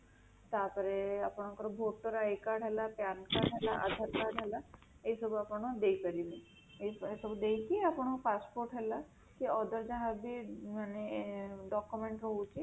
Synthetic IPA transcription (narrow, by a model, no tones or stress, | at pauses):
t̪apɔɾeapɔɽ̃ɔkɔɾbʱoʈːɔɾajkaɾɖɦɛlapankaɾɖɦɛlaʔa̰d̪ʱaɾkaɖɦɛla | esɔbuapɔɽ̃ɔd̪ejkəɾilẽ | eesɔbud̪ejkiapɔɽ̃ɔpaspoɾʈɦɛla | kiɔd̪ɔɾd͡ʒaɦabimaneɖɔkumeɳʈɾɔɦut͡ʃi